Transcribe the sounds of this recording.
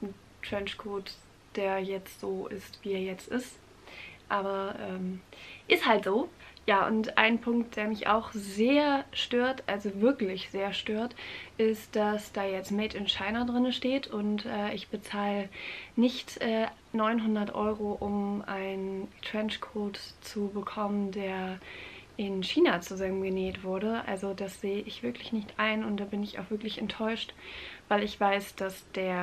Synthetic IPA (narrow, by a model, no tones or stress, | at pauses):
n̩ | tɹ̥ɛnʃkʰoːt | d̥eːɐjɛt͡stz̥oːʔɪ̰stv̥iːeːɐjɛt͡stɪst | ʔaːbɐʔɛːmʔɪsthaltz̥oːjaːʔʊ̰ntʔa̰ɪnpʰʊŋkt̚d̥eːɐmɪçʔa̰ʊxzeːɐʃtøːɐtʔalzovɪɐklɪçz̥eːɐʃtøːɐtʔɪstd̥asd̥aːjɛt͡stmɛɪtɪnʃaɪnɐdʁɪnəʃteːtʰʊntʔɛːʔɪçb̥ət͡saːlənɪçtʔɛː | nɔʏnɦʊndɐtʔɔ̰ʏʁoʔʊmʔaɪntʁ̥ɛnt͡ʃkʰoːtt͡subəkʰɔməndeːɐ | ʔɪnʃiːnat͡suzamənɡəneːtv̥ʊɐɾəʔa̰lzodasz̥eːəʔɪçv̥ɪɐklɪçnɪçtʔaɪnʊntd̥aːbɪnɪça̰ʊxv̥ɪɐklɪçɛntʰːɔʏʃtvaɪlɪçv̥aɪsd̥asd̥eːɐ